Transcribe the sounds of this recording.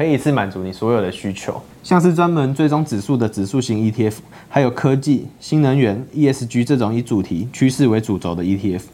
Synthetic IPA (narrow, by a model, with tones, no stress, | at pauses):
kə˧˥i˨i˧˦t͡sʰɹ̩˥˩ma˨˩nt͡su˨˧˥ni˨˩swoɔ˧˥jo˨˩ʊd̪ə˦ɕy˦t͡ɕʰjo̰˧˦ʊ | ɕjɑ˥˧ŋʂ̬̩˥˩t͡swa˦nmə˧˦nt͡swe˥˩ɪʈ͡ʂo˥ŋt͡sɻ̩˨˩su˥˩d̪ə˩t͡sɻ̩˨˩su˥˧ɕi˧˥ŋi˧˥t̪ʰi˧ɛ˥f | ha˧˥ɪjo˨˩ʊkʰɤ˦t͡ɕi˥˨ɕi˦˥nnə˧˦ŋɥɛ˧˥ni˥˧ɛ˥˩s̩˨˩t͡ɕy˥ʈ͡ʂɤ˥˩ʈ͡ʂʊ˨˩ŋi˨˦˥t͡su˨˩t̪ʰi˧˦t͡ɕʰy˥ʂɻ̩˥˩we˧˥ɪt͡su˨˩t͡so˨˦ʊd̪ə˨i˥t̪ʰi˥˧ɛ˦˥f